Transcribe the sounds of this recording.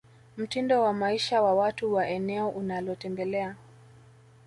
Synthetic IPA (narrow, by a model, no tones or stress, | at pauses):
m̩tindɔwamaiʃawawatuwaʔɛnɛɔʔunalɔtɛmbɛlɛa